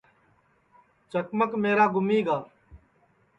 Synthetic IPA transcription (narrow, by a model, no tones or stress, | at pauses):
t͡ʃəkməkmeːɾaːɡʊmiːɡaː